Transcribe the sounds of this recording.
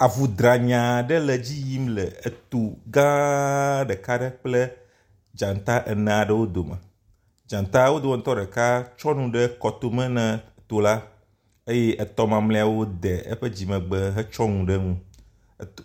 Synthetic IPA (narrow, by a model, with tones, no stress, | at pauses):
a˨vu˨d̪ɾa˨ɲã˨ɖə˦lə˨d͡ʑi˦ji˦mlɛ˨e˨t̪u˨ɡã˦ɖɛ˨ka˦ɖə˦k͡plɛ˦ | d͡ʒã˨n˨t̪a˦ʔɛ˨nã˨ɖə˦wo˦d̪o˨mɛ̰˨ | d͡ʒã˨nt̪a˦wo˦d̪o˨wɔ˦n̩˦t̪ɔ˦ɖɛ˨ka˦t͡ʃɔ˦nũ˨ɖə˦kɔ˨t̪o˦mɛ̃˦nɛ̃˨t̪o˨la˦ | e˦je˦ʔə˨t̪ɔ˦mã˨mlẽ˦a˨wo˦d̪ɛ˨ə̰˦ɸə˦d͡ʑi˨mɛ̃˨ɡ͡bɛ˦ɦɛ˦t͡ʃɔ˦ŋũ˨ɖə˦ŋũ˦˨